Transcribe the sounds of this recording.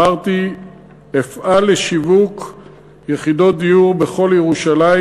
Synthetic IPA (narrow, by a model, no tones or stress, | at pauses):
aʁt̪i | efʔalːeʃivuk | jeχid̪o̞d̪iuʁbe̞χo̞ljeʁuʃala